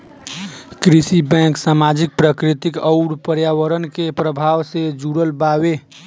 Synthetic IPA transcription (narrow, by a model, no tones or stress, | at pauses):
kɾisibɛ̃ksamad͡ʒik̚pɾəkɾit̪ikəʊɾpəɾjaʋəɾənkepɾəbʱawsed͡ʒuɾəlbabe